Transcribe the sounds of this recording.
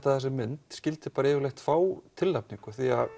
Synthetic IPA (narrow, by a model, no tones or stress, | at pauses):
t̪aθɛsɪmɪnt̪scɪlt̪ɪ̥paːɾaɛːvɪɾlejxt̪faːwt̪ʰɪlːap̚niŋkʏθia̰